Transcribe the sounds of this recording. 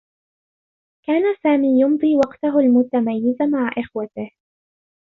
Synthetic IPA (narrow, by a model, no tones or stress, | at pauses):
kaːnasaːmiːjʊmd̪ˤiːwɑqt̪aɦʊlmʊt̪amajːɪzamaʕaʔɪxwat̪ɪh